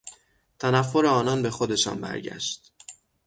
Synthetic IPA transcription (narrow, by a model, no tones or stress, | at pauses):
t̪ʰænæfːo̞ɾeɒːnɒnbe̞xo̞d̪e̞ʃɒ̰ːnbæ̰ɾɟæ̰ʃt̪